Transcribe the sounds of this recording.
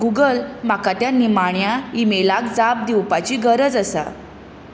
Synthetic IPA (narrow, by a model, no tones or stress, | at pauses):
ɡuɡəlm̤akat̪janːiːmaɳjaimelakd͡zap̚d̪iwpat͡ɕiːɡəɾəd͡zəsa̰